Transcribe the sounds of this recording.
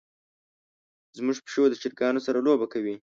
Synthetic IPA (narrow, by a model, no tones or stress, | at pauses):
zmuʐpʃod̪ət͡ʃɪɾkɑnosaɾalobakawi